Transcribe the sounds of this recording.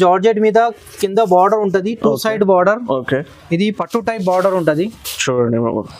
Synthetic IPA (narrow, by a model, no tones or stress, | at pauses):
d͡ʒaːɾd͡ʒeːʈmiːd̪ɐ | kind̪ɐbaːɾɖɐɾuɳʈund̪iʈuːsɐjɖbaːɾɖɐɾoːke | id̪ipɐʈːuʈɐjp̚baːɾɖɐɾuɳʈund̪it͡ʃuɾɐɳɖḭ